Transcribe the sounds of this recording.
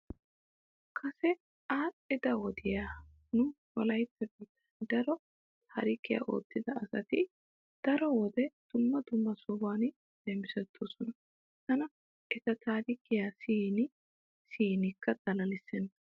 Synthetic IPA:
kʰɐsɛ | aːɪd̪ɐwɔd̪ɪjaː | nʊ | wɔ̰lɐjt͡sːɐbiːt̪ːɐnd̪ɐɾɔ | t̪ʰaːɾɪkːɪja̰ːʔo̞̰ːt̪ːɪd̪ɐɐsɐ̰t̪ɪ | d̪̥ɐɾɔwɔd̪ɛd̪̥ʊmːɐd̪ʊmːɐsʊbaːn | d̪̥ɛmɪsɛt̪ʰːoːsɔnɐ | t̪ɐnɐ | ʔɛt̪ɐt̪aːɾɪkːɪjaːsiːnɪ | siːnɪkʰːɐd̪̥ɐlɐlɪsːɛnː

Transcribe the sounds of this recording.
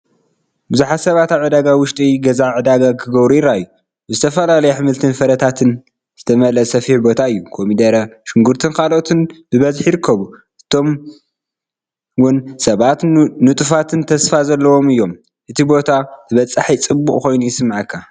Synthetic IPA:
bɨzuħat̪sɐβat̪aβʕɨd̪aɡawʊʃt̪ʼiɡɐzaʕɨd̪aɡakʰɨɡɐβɾuiɾaɨjːu | bɨzɨt̪ʰɐfɐlalɐjɛħɨmɨlt̪ʰɨnfɐɾɐt̪ʰat̪ʰɨn | z̥ɨt̪ʰɐmɐlɐsɐfiħbo̞t̪ʰaɨjːukʰo̞mid̪ɐɾaʃɪŋɡuɾt̪ʰɨnkʰalo̞t̪ʰɨnbɨβɐzħjɪɾɨkʰːɐβu | ʔɨt̪ʰo̞m | wʊnsɐβat̪nɨt̪ʼɨfat̪ʰɨnt̪ʰɐsfazɐlːɐwo̞mɨjːo̞m | ʔɨt̪ʰibo̞t̪ʰat̪ʰɨβɐt͡sʼːaħit͡sʼɨbːukʼko̞jnujɪsɨmːaʕɨkʰːa

